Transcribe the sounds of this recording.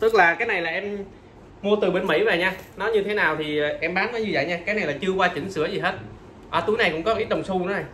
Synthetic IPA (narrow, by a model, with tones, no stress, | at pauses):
t̪ɨ˦˥k̚laː˨˩kaː˨˦jna˨˩jlaː˨˩ʔɛ˧m | mu˧ət̪ɨ˨˩ɓe˧nmḭ˧˥və̰ː˨˩ɲaː˧nɔ˨˦jɲɨ˧t̪ʰe˨˦naː˨˩wt̪ʰi˨˩˨ʔɛ˧mɓaː˨˦nvəː˨˦jɲɨ˧və̰˧˨jɲaː˧kaː˨˦jna˨˩jlaː˨˩t͡ɕɨ˧əkwaː˧t͡ɕï˧˩ŋ̟sɨ˧˥əzi˨˩ɦe˦˥t̚ | ʔaː˨˩t̪u˨˦jna˨˩kʊ̰˧˥ŋ͡mkɔ˦˧ʔt̚ɗə˨˩wŋ͡msu˧n˧˨˦na˨˩j